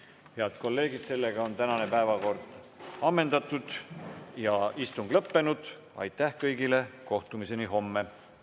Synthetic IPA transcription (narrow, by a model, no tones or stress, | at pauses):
he̞ɑd̪̥ko̞lːe̞ːɡid̪̥se̞lːe̞ɡ̥ɑo̞nt̪ænɑne̞pæevɑko̞rd̪̥ | ɑmːe̞nd̪̥ɑt̪ːˑud̪̥jɑist̪uŋɡ̥lɤpːe̞nud̪̥ | ɑ̰jt̪ːæhkɤjɡile̞ko̞ht̪umise̞niɦo̞mːe̞